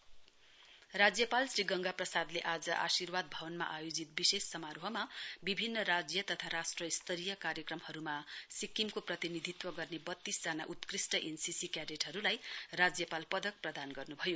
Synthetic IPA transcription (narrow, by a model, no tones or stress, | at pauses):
rad͡zjʌpalsriɡʌŋɡaprʌsad̪leʔad͡zʌʔasirwad̪̚bʱʌbʌnma̰ʔajod͡zit̪̚bisesːʌmaɾoɦʌmabibʱinːʌɾad͡zjʌt̪ʌt̪ʰaɾasʈrʌist̪ʰʌɾijʌkaɾjʌkrʌmhʌɾumasikːimkoprʌt̪inid̪ʱit̪wʌɡʌrnebʌt̪ːisd͡zanaʔut̪krisʈʌʔensisikjaɾeʈɦʌɾulajrad͡zjʌpalpʌd̪ʱʌk̚prʌd̪anɡʌrnubʱʌjo